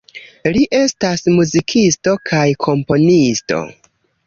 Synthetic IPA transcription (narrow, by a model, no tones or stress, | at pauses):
liʔe̞stasmuzikʰisto̞kʰajkʰo̞mpo̞nisto̞̰